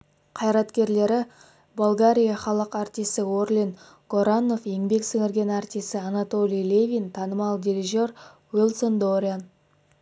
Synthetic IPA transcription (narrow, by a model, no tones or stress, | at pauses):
qʰɑjɾɑt̪kʲe̞ɾle̞ɾɪ | bulˠɡaɾʲijaχɑlˠəqɑɾt̪ijst̪ɪworlʲin | ɡ̥oɾano̞fjeŋbe̞ksɵŋɪɾɡʲe̞naɾt̪ʲijst̪ɪanat̪o̞lʲijlʲevʲijnt̪ʰɑnəmɑlˠd̪ʲiɾiʒo̞r | wilˠsond̪oɾʲian